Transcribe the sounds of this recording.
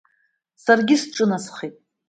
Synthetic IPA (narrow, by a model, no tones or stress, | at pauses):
sarɡʲisʈ͡ʂʼɨnasχitʼ